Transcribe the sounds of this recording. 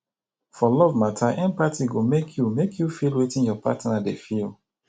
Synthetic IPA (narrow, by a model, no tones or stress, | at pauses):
fɔlɔvmatʰaʔɛ̃npatiɡomekʰjumekʰjufilwetĩnjɔpa̰tnadefil